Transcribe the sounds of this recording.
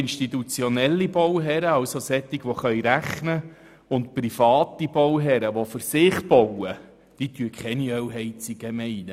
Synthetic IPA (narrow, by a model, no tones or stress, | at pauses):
ɪnʃtit̪ut͡sjɔnɛlːibɔwɦɛɾəɑwsosɛt̪ːiɡʋɔχœjɾæχnə | ʊnt̚pɾifɑːt̪ibɔwɦɛɾəʋofʏɾsɪːχb̥ɔwə | d̥it̪yəkχɛniœwɦɛjt͡siɡəmɛɪnə